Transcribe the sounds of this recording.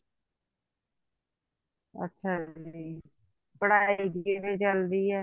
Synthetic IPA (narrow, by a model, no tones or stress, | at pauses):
ə̰tːʃʰaːiː | pəɽaːiːɡiʋeːt͡ʃəld̪iːɛː